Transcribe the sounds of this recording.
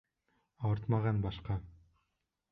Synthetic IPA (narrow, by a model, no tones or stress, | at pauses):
ɑwɤɾt̪mɑʁɑnbɑʃqɑ